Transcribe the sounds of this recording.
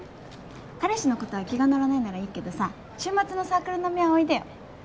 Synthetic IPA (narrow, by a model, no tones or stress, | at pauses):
kaɾeɕino̞ko̞t̪o̞β̞akʲiɡanoɾanainaɾaiːke̞d̪o̞sa | ɕɨːmat͡sɨno̞saːkɯ̟ɾɯnomʲiaoid̪ajo̰